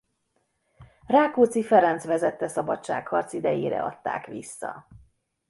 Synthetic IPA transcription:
raːkoːt̪sifɛɾɛnt̪sʋɛzɛt̪ːɛsɒbɒtt͡ʃa̰ːkhɒrt̪sid̪ɛjeːɾɛ̰ɒ̰t̪ːa̰ːkʋisːɒ̰

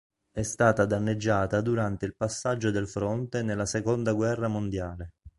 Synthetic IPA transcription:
ɛst̪aːt̪ad̪anːed͡ʒːaːt̪ad̪uɾant̪eilpasːad͡ʒːod̪elfɾont̪enelːasekond̪aɡwɛrːamond̪jaːle

